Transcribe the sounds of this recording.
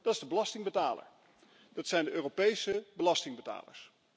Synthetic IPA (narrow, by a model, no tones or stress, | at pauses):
d̥ɑtɪzdəbəlɑstɪŋbətaːlə̰ɹ | dɑtsɛjndəʔøːropejsəbəlɑstɪŋbəta̰ːlə̰ɹs